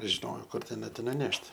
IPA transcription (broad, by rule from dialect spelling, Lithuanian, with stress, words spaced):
ʒʲɪˈnoːjoː ˈkʊr tʲɛˈnɐɪ tʲɪ nʊˈnʲɛʃʲtʲ